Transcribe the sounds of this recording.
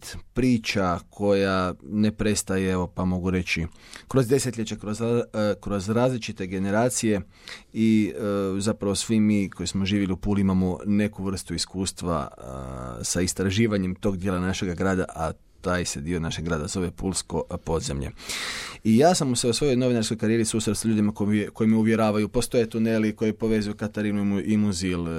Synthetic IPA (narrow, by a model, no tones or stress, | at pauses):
t̪pɾiːt͡ʃakʰo̞jane̞pɾe̞st̪ajeeo̞pamo̞ɡuɾe̞t͡ʃikɾo̞zd̪e̞set̪ʎʲet͡ɕakɾozkɾo̞zɾaːzlit͡ʃit̪e̞ɡe̞ne̞ɾaːt̪sije̞ | i | zapɾaʋo̞sʋimiːko̞jismo̞ʒiːʋiliupuːlimamone̞kuʋr̩st̪uiskuːst̪ʋa̰ | saist̪ɾaʒiːʋaɲemt̪o̞ːɡd̪jelanaʃe̞ɡaɡɾaːd̪a̰ʔa | t̪aːjse̞d̪iːo̞naʃe̞ɡɾaːd̪azo̞ʋe̞pulˠsko̞po̞d̪zḛmʎe̞̰ | ijaːsamuseusʋo̞jo̞jno̞ʋinaɾsko̞jkaɾije̞ɾisust̪ɾat̪saʎuːd̪imakoko̞imeuʋje̞ɾaːʋajupo̞st̪o̞jet̪unelikojipo̞ʋe̞zujukat̪aɾinuiʔimuzil